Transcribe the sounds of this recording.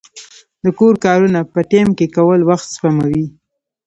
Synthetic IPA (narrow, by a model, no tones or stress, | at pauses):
d̪əkoɾkɑɾunapəʈemkekawəlwaxt̪spamawi